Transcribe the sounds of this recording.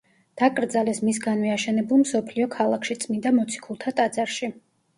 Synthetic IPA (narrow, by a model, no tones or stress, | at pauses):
d̪̥akʼɾd̪zalɛsmisɡanviaʃɛnɛbulˠmsɔpʰliɔkʰalˠakʰʃit̪sʼmind̪amɔt̪sʰi̥kʰulˠt̪ʰat̪ʼad̪zaɾʃi